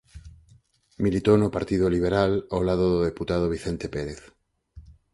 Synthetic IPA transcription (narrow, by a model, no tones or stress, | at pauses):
milit̪onopaɾt̪iðoliβ̞eɾalawlaðoðoðeput̪aðoβ̞iθent̪epeɾeθ